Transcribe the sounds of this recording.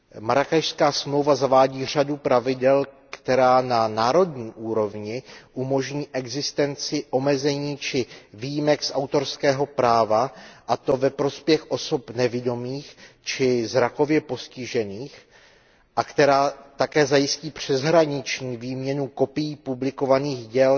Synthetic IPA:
maɾakaʃskaːsmlo̞wvazavaːɟiːr̝adupɾavɪdɛlkt̪ɛɾaːnanaːɾo̞dɲiːʔuːɾo̞vɲɪʔumo̞ʒɲiːʔɛɡzɪst̪ɛnt͡sɪʔo̞mɛzɛɲiːt͡ʃɪvijɪmɛksʔawt̪o̞ɾskɛːɦo̞pɾaːvaʔat̪o̞vɛpɾo̞spjɛxʔo̞so̞pnɛvɪdo̞miːx | t͡ʃɪzɾako̞vjɛpo̞scɪʒɛniːx | ʔakt̪ɛɾaːt̪akɛːzajɪsciːpr̝̥ɛzɦɾaɲɪt͡ʃɲiːviːmɲɛnuko̞pɪjipublɪko̞vaniːxɟɛl

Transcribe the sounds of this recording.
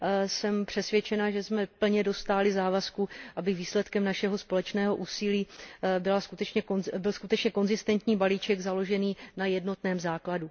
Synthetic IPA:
sɛmpr̥ɛsvjɛt͡ʃɛnaʒɛsmɛpl̩ɲɛdo̞st̪aːlɪzaːvaskuʔabɪviːslɛt̪kɛmnaʃɛɦo̞spo̞lɛt͡ʃnɛːɦo̞ʔuːsɪliːbɪlaskut̪ɛt͡ʃɲɛbɪlskut̪ɛt͡ʃɲɛko̞nzɪst̪ɛnt̪ɲiːbaliːt͡ʃɛɡzalo̞ʒɛniːnajɛdno̞t̪nɛːmzaːkladu

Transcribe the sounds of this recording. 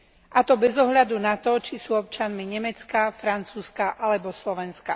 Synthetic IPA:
ʔat̪ɔbɛzɔɦʎad̪unat̪ɔt͡ʃisuːɔp̚t͡ʃɪanmiɲɛmɛt͡skafɾant͡suːskaʔalɛbɔslɔʋɛnska

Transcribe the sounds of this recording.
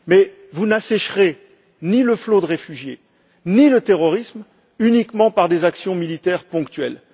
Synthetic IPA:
mɛ | vunasɛʃχe | niləflod̪əʁefyʒje | nilət̪eʁɔʁism | ynikmɑ̃paʁd̪ezaksjɔ̃milit̪ɛʁpɔ̃kt̪ɥɛl

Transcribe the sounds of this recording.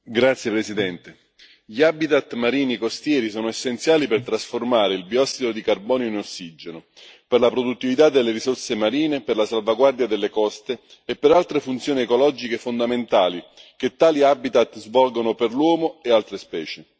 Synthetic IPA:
ɡɾat̪sːjepɾesid̪ɛnt̪e | ʎiabit̪at̪ːmaɾiːnikost̪jɛːɾisɔːnoesːent̪sjaːlipert̪ɾasformaːɾeilbiɔst̪ːit̪ɾod̪ikarbɔːnjoinosːid͡ʒeno | perlapɾod̪ut̪ːivit̪ad̪ːelːeɾisorsemaɾiːneperlasalvaɡward̪jad̪elːekɔst̪eː | pːeɾalt̪ɾefunt̪sjoːniekolɔd͡ʒikefond̪ament̪aːliket̪ːaːliabit̪at̪ːzvɔlɡonoperlwɔːmoealt̪ɾespɛːt͡ʃe

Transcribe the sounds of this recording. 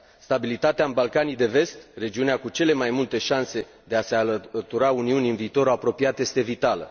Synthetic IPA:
st̪abilit̪at̪eaɨnbalkanijd̪e̞ve̞st̪re̞d͡ʒiuneakut͡ʃe̞le̞majmult̪e̞ʃanse̞ | d̪e̞aseat̪uɾauniunʲɨnviːt̪o̞ɾoapɾo̞piat̪je̞st̪e̞vit̪alə̰

